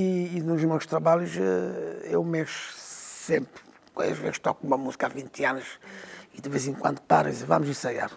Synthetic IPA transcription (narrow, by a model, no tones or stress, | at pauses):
iːnuʒnɔsʃt̪ɾɐβaʎuʃɛewmeʃu̥sẽmpɾ | kwɐ̰̃ɐ̰ʒvḛzʃt̪ɔkumɐmuzikavĩnt̪ianuʃid̪ɨvezẽŋkwɐ̃nd̪upa̰ɾɐzva̰muziɾsɐja̰ɾ